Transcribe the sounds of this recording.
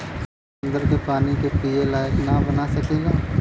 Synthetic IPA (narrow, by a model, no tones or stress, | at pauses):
nd̪əɾkepaːnikepielaːjəknabɐnasɐkeːɡaː